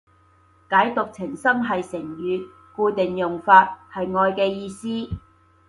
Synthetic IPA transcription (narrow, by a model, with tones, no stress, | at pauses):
kaː˨˥jt̪ʊ˨k̚t͡sʰɪ˨˩ŋsɐ˥mɦɐ˨jsɪ˨˩ŋjyː˨˧ | kuː˧t̪ɪ˨ŋjʊ˨ŋfaː˧t̚hɐ˨jŋɔː˧jkɛː˧jiː˧siː˥